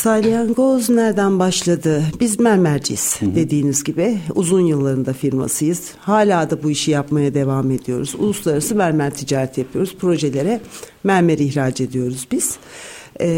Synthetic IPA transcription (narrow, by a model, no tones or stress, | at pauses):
salʲˠijanɡoznæɾd̪ænbaʃlˠad̪ɯbizmæɾmæɾd͡ʒḭz̥d̪̥e̞d̪iːnizɟibiuzunjɯlˠːaɾɯnd̪afiɾma̰sɯjɯz̥ | haːlʲaːd̪abuiʃijapmajad̪e̞vaːme̞d̪ijo̞̰ɾuzṵlˠuslˠaɾasɯmæɾmæɾt̪ʰid͡ʒaːɾɛt̪ʰjapʰɯjo̞ɾuzpʰɾo̞ʒe̞lʲe̞ɾɛmæɾmeɾiçɾaːd͡ʒe̞d̪ijo̞ɾuzbiz̥